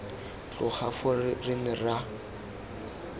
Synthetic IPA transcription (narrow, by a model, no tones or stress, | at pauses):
t͡ɬʼʊχʰafʊrɪnɪra